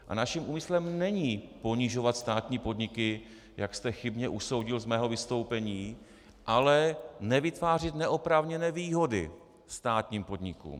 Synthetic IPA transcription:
ʔa̰naʃimʔuːmɪslɛmnɛɲiːpo̞ɲɪʒo̞vat̪st̪aːt̪ɲiːpo̞dɲɪkɪ | jakst̪ɛxɪbɲɛʔuso̞wɟɪlzmɛːɦo̞vɪst̪o̞wpɛɲiː | ʔalɛnɛvɪt̪vaːr̝ɪt̪nɛʔopɾavɲɛnɛːviːɦo̞dɪ̰ | st̪aːt̪ɲiːmpo̞d̪ɲɪkṵːm

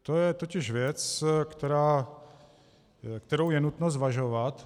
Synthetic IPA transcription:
t̪ojɛt̪o̞cɪʃvjɛt͡skt̪ɛɾaː | kt̪ɛɾowjɛnut̪nozvaʒovat̪

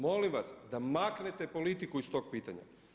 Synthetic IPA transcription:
mo̞limʋasd̪amakne̞t̪e̞po̞lit̪ikuist̪o̞ːɡ̚piːt̪aɲa̰

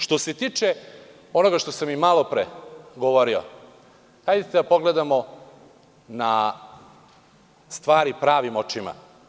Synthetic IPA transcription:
ʃt̪ose̞t̪iːt͡ʃe | o̞noɡaʃt̪o̞samimalo̞pɾeɡoʋo̞ɾio̰ | hajd̪et̪ed̪apo̞ɡled̪amo̞ | na | st̪ʋaːɾipɾaːʋimo̞t͡ʃima̰

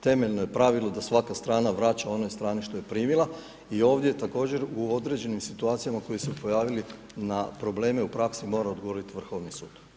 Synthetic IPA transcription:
t̪e̞me̞ʎnojepɾaʋilˠo̞d̪asʋakast̪ɾaːnaʋɾat͡ɕao̞nojst̪ɾaːniʃt̪o̞jepɾiːmilˠa | io̞ːʋd̪je̞t̪ako̞ːd͡ʑe̞ɾuod̪ɾe̞d͡ʑe̞nimsit̪uaːt̪sijamako̞jesepo̞jaːʋili | napɾo̞ble̞ːmeupɾaksimo̞ːɾaod̪ɡooɾit̪iʋr̩xo̞ʋnisṵːd̪̥

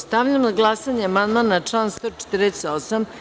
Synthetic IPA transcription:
st̪avʎamnaɡlˠasaɲeamand̪manat͡ʂlaːnst̪o̞t͡ʂe̥t̪ɾeseosam

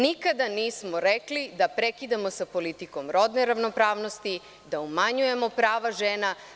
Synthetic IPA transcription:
nikad̪aniːsmoɾeklid̪apɾekid̪amo̞sapo̞lit̪iko̞mɾo̞d̪neɾaʋnopɾaːʋnost̪i | d̪aumaɲuje̞mo̞pɾaːʋaʒeːna

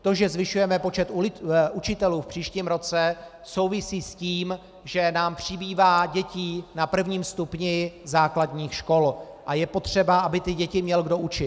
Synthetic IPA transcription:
t̪o̞ʒɛzvɪʃujɛmɛpo̞t͡ʃɛt̪ɪut͡ʃɪt̪ɛluːfpr̝̥iːʃciːmɾo̞t͡sɛ | so̞wvɪsiːsciːm | ʒɛnaːmpr̝̥ɪbiːvaːɟɛciːnapr̩vɲiːmst̪upɲɪzaːkladɲiːxʃko̞l | ʔajɛpo̞t̪r̝̥ɛbaʔabɪt̪ɪɟɛcɪmɲɛlɡdo̞ʔut͡ʃɪt̪

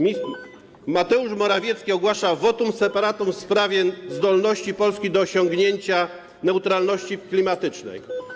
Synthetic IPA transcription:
mat̪ɛuʂmɔɾavʲjɛt̪skʲiɔɡwaʂavɔt̪umsɛpaɾat̪umfspɾavʲjɛzd̪ɔlnɔɕt͡ɕipɔlskʲid̪ɔːɕɔŋɡɲeɲt͡ɕa | nɛwt̪ɾalnɔɕt͡ɕiklʲimat̪ɘt͡ʂnɛ̰j

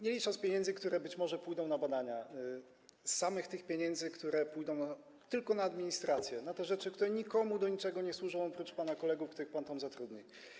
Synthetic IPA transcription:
ɲɛlʲit͡ʂaspʲjeɲɛndzɘkt̪uɾɛbɘt͡ɕmɔʐɛpujd̪ɔ̃w̃nabad̪aɲa | sːamɘxt̪ɘxpʲeɲɛnd̪zɘkt̪uɾɛpujd̪ɔ̃w̃na | t̪ɘlkɔnaːd̪mʲiɲist̪ɾat̪sʲjɛnat̪ɛʐɛt͡ʂɘkt̪uɾɛɲikɔmud̪ɔɲit͡ʂɛɡɔɲɛswuʐɔ̃w̃ɔpɾut͡ʂpanakɔlɛɡufkt̪uɾɘxpant̪amzat̪ɾud̪ɲi

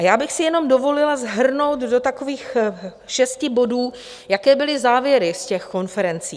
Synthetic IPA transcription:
ʔajaːbɪxsɪjɛno̞mdo̞vo̞lɪlazɦr̩no̞wt̪dot̪ako̞viːx | ʃɛscɪbo̞duː | jakɛːbɪlɪzaːvjɛɾɪscɛxko̞nfɛɾɛnt͡siː

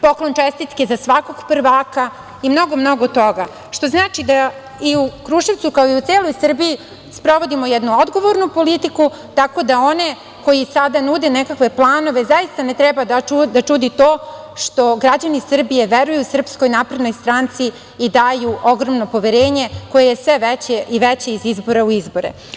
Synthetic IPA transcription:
po̞klˠo̞nt͡ʃest̪it̪ke̞zasʋako̞ɡpr̩ʋaːka | imno̞ɡo̞mno̞ɡo̞t̪o̞ɡa | ʃt̪o̞znaːt͡ʃid̪a | iukɾuʃeʋt̪sukaoiut̪seːlˠo̞jsr̩biji | spɾo̞ʋo̞d̪imo̞jɛd̪nuod̪ɡo̞ʋo̞ɾnupo̞lit̪iku | t̪ako̞d̪ao̞ne̞ | ko̞jisad̪anud̪enekakʋe̞plˠaːno̞ʋe̞zaist̪anet̪ɾɛbad̪aud̪at͡ʂud̪it̪o̞ː | ʃt̪o̞ɡɾad͡ʑanisr̩bije̞ʋeɾujusr̩psko̞jnaːpɾe̞d̪no̞jst̪ɾaːnt̪siː | d̪aːjuʔo̞ɡɾo̞mno̞po̞ʋeɾe̞ːɲe̞ko̞je̞jesʋeʋɛt͡ɕeiʋet͡ɕeizizbo̞ɾauizbo̞ɾḛ

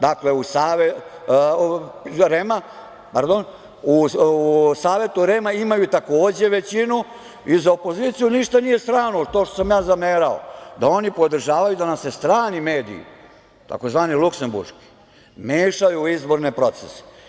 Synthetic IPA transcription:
d̪akle̞usaːʋe | ɾema | paɾd̪on | uusaːʋe̞t̪uɾemaimajut̪ako̞ːd͡ʑe̞ʋe̞t͡ɕinu | izaopo̞zit̪sijuniʃt̪anije̞st̪ɾaːnot̪oʃt̪osamjaːzameːɾao̰d̪ao̞nipo̞d̪r̩ʒaːʋajud̪anamsest̪ɾaːnime̞ːd̪ḭḭ | t̪a̰ko̞zʋaːnilˠukse̞mbṵɾʃki̥ | meːʃajuizbo̞ɾnepɾo̞t̪sese̥

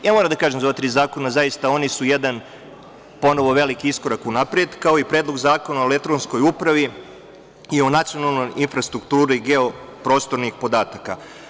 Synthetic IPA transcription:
jaːmoɾamd̪akaːʒemzoʋat̪ɾiːzaːko̞nazajist̪ao̞nisujed̪an | po̞no̞ʋo̞ʋe̞likiisko̞ɾakunapɾjed̪kao̞ipɾeːd̪lˠo̞ɡzaːko̞naolek̚t̪ɾonsko̞jupɾaʋi | io̞nat̪sio̞nalˠno̞jʔinfɾast̪ɾukt̪uːɾuiɡeo̞ | pɾo̞ːst̪o̞ɾnixpo̞d̪aːt̪aka

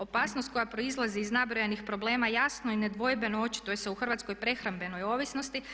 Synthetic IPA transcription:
o̞paːsnost̪̚ko̞japɾo̞izlˠaziːznabɾojenixpɾo̞blˠe̞ːmajasnoine̞d̪ʋo̞jbe̞noot͡ʃi̥t̪ujese̞uxr̩ʋat̪sko̞jpɾe̞xɾambe̞no̞jo̞ːʋisno̞st̪i

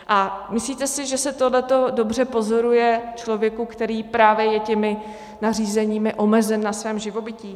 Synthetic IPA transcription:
ʔamɪsliːt̪ɛsɪʒɛsɛt̪odlɛt̪o̞do̞br̝ɛpo̞zo̞ɾujɛt͡ʃlo̞vjɛkukt̪ɛɾiːpɾaːvjɛjɛcɛmɪ | nar̝iːzɛɲiːmɪʔo̞mɛzɛnːasvɛːmʒɪvo̞bɪciː

